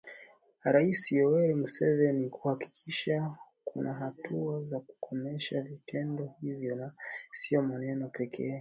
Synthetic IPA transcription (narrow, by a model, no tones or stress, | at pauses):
ɾaisiɔwɛɾim̩sɛvɛnikuhaki̥kʰiʃa | kunaɦatuazaku̥kʰɔmɛʃavitʰɛndɔhivjɔnasiɔmanɛnɔpɛkʰɛː